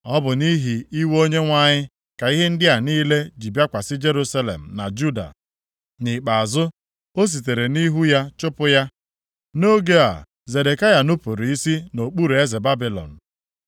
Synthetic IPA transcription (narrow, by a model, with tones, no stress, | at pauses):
ɔ˦bʊ˨ni˦ɦi˨i˦wo˦ɲe˦ŋʷa˦ɲɪ˦ | ka˨i˦ɦe˦n̩˦dɪ˦a˨niː˦le˦d͡ʒi˨bja˦kʷa˨sɪ˦d͡ʒe˦ɾu˦sa˦lḛ˨m̩˨na̰˨d͡ʒu˦da̰˨ | nɪ˨k͡pa˨a˨zʊ˦ | o˦s̬i˨t̬e˨ɾe˨ni˦ɦu˦ja˦t͡ʃʊ˦pʊ˦ja˦ | no˦ɡe˦a̰˨ | ze˨de˨ka˦ja˦nʊ˦po˨ɾi˦si˦no˨k͡pu˦ɾe˦ze˨ba˦bi˨lɔ̰˨n̩˨